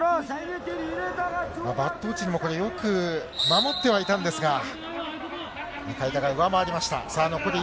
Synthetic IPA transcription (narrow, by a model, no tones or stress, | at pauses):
mabat̪ːo̞ːt͡ɕiɲ̟imo̞ko̞ɾe̞jo̞kɯ̟mamo̞t̪ːe̞β̞ait̪ãnd̪e̞sɨɡa | ekaid̪aɡaɯ̟βamaːɾʲimaɕi̥t̪a̰saːno̞ko̞ɾe